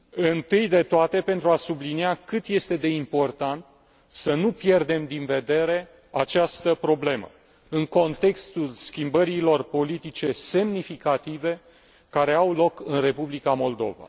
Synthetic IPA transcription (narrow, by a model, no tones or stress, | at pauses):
ɨnt̪ɨjd̪e̞t̪oat̪e̞pe̞nt̪ɾuasubliniakɨt̪je̞st̪ed̪e̞impo̞rt̪ant̪ | sənupje̞rd̪e̞md̪inve̞d̪e̞ɾe̞ | at͡ʃast̪əpɾo̞ble̞mə̰ | ɨŋko̞nt̪e̞kst̪ulskʲimbəɾilo̞rpo̞lit̪it͡ʃe̞se̞mnifikat̪ive̞ | kaɾe̞awlo̞kɨnre̞publikamo̞ld̪o̞̰va̰